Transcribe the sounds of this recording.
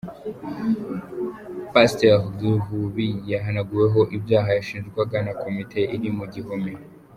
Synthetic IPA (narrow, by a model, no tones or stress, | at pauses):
pasteʁɡuɦuβijaɦanaɡuje̞ɦo̞ʔibjaːɦajaʃiːnʒɡwaɡanakʰo̞mitʰe̞ʔiɾimuɟiɦome